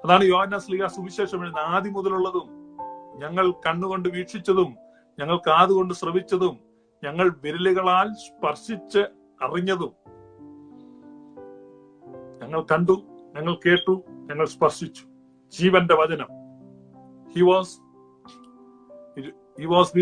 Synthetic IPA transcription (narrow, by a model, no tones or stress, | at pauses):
ɐðaːɳɨjo̞ːhɐnːaːsliɣaːsubiɕe̞ːʂɐminːaːðimuðɐluɭːɐðumɲɐŋːɐɭkɐɳːuɣo̞ɳɖɨʋiːʈʂit͡ɕːɐðum | ɲɐŋːɐɭkaːðuɣo̞ɳɖɨsrɐʋit͡ɕːɐðum | ɲɐŋːɐɭʋeɾiliɣɐɭaːlspɐrʂit͡ɕːɨ | ɐriɲːɐðum | ɲɐŋːɐɭkɐɳɖuɲɐŋːɐɭke̞ːʈːuɲɐŋːɐɭspɐrʂit͡ɕːu̥ | d͡ʑiːʋɐndeʋɐd͡ʑɐnɐm | hiːʋɔːs | hiːʋoːs